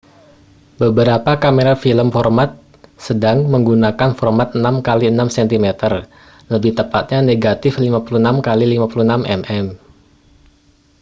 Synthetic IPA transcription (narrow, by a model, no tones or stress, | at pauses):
bəbəɾapakameɾafiləmfɔrmat̪̚ | sədaŋməŋɡunakanfɔrmat̪̚ənamkaliənamsɛnt̪imet̪ər | ləbɪht̪əpat̪̚ɲaneɡat̪ɪflimapulunamkalilimapulunamʔɛ̰mʔɛm